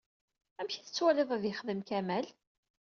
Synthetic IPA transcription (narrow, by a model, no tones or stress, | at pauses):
æmçiθət͡sːwæləðˤæðjəχðəmkæmæl